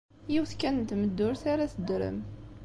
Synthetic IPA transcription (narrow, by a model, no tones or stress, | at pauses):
jiwθkænənt̪məd̪ːʊɾθaɾaθəd̪ɾə̰m